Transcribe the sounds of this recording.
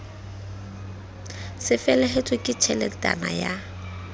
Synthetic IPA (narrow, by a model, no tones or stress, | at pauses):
sɪfɛlɛɦetʼwɪkʼɪt͡ʃʰɛlɛtʼa̰na̰ja